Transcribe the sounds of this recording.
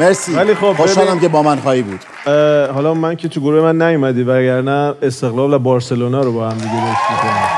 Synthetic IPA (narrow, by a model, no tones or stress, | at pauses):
meɾsiːvæliːxobosɑlæmkebɒːmænxɒːhibuːd̪̥ | ɦɒːlɒmæncʰet̪ʰuɡoɾuːhe̞mænːæjumæd̪iːvæɟæɾnæest̪e̞ɣlɒːlvæbɒːɾse̞lonɒːɾobɒːhæmd̪iɡeɾost̪mikʰonæm